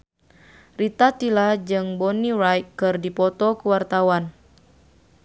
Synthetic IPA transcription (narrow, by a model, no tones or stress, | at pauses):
rit̪at̪ilad͡ʒɨŋbɔnirajkːɨrdipɔt̪ɔkuwart̪awan